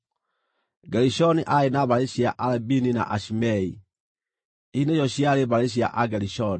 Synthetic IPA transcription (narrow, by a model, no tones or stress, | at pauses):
ɡɛɾiʃɔniʔaenaβaɾeɕiaʔalɛbinina̰ʔaʃimɛi | ineɕɔɕiaɾeβaɾeɕ̬ia̰ʔaɡɛɾiʃɔni